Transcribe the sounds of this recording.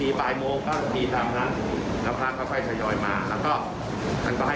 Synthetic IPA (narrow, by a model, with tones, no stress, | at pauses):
iː˧paː˨˩jmoː˧ŋt̪aː˥˩˧p̪iː˧t̪aː˨˧˩mna˦˥˩ | la˧˥˩pʰɾaː˦˥˩kʰɔ˥˩jkʰɔ˥˩jt̪ʰa˧jɔː˧jmaː˧lɛː˦˥wkɔː˥˩ | mʰa̰˧nkɔː˥˩ɦa˥˩